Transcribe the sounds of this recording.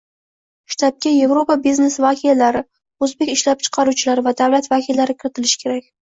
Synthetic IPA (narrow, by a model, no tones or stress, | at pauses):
ʃt̪ʰap̚kʲaje̞vɾopabizne̞svakʲʰialaɾɪ | ɵzbe̞kʲɪʃlap̚t͡ʃʰɨ̥qʰɑɾut͡ʃʰɪlaɾɪvad̪avlat̪vakʲʰilːaɾɪkʲʰɪɾɪt̪ɪlɪʃkʲʰe̞ɾakʲ